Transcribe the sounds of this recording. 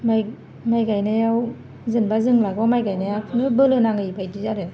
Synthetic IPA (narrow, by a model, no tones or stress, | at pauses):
maj | majɡajnɯjaw | zɯnbazɯŋlaɡɔwmajɡajnajawkʰɯnɯbɯlɯnaŋɯipʰajdizaɾɯ